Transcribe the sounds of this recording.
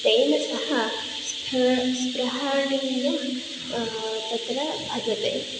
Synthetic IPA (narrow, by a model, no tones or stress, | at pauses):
d̪eːnɐsɐhɐ | spʰspɾɐɦaːɽiɡu | t̪ɐt̪ɾɐbʱɐd̪ɐt̪ḛː